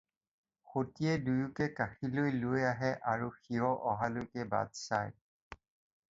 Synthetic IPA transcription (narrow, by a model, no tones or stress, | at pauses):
xotiɛdujukɛkaxilojlojaɦɛʔaɹuxiɹɔʔɔɦalojkɛba̰dsa̰j